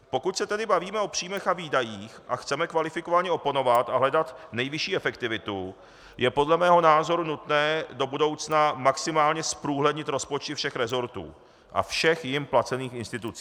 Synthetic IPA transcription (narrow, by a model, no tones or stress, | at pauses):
po̞kucsɛt̪ɛdɪbaviːmɛʔo̞pr̝̥iːmɛxaviːdajiːxʔaxt͡sɛmɛkvalɪfɪko̞vaɲɛo̞pono̞vat̪aɦlɛdat̪nɛjvɪʃiːɛfɛkt̪ɪvɪt̪u | jɛpo̞dlɛmɛːɦo̞naːzo̞ɾunut̪nɛːdo̞budo̞wt͡snamaksɪmaːlɲɛspɾuːɦlɛdɲɪt̪ɾo̞spot͡ʃt̪ɪfʃɛxɾɛzo̞ɾt̪ṵː | ʔa̰fʃɛxjɪmplat͡sɛniːxɪnst̪ɪt̪ut͡siː